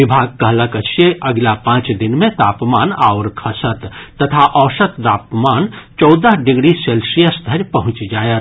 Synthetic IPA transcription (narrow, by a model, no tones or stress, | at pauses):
ʋɪbʱaːɡ̚kːɐɦləkət͡ʃʰjeʔɐɡlapãːt͡ʃd̪ɪnmẽt̪aːpmaːna̰wɾkʰɐsət̪ːɐt̪ʰaʔɔːʃət̪d̪aːpmaːnt͡ʃɔwd̪əɦɖɪɡɽiselsijəsd̪ʱəɾpɐɦʊ̃t͡ʃd͡ʒaːjət̪